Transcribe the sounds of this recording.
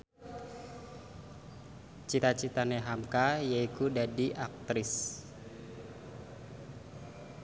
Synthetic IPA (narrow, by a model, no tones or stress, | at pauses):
t͡ʃit̪at͡ʃit̪aneɦamkajaikudadiʔak̚t̪ɾɪs